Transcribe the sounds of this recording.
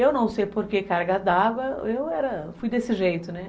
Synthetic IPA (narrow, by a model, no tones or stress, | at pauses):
ewnɐ̃w̃sejpoɾkekaɾɡad̪aɡɐewɛɾɐfujd̪esɪʒejt̪ʊnɛ